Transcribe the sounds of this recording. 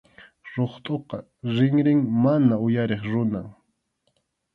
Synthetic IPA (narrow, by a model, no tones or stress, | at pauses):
ɾoχt̪ʼoqɑ | ɾɪŋɾɪŋmanaʊjaɾeχɾʊna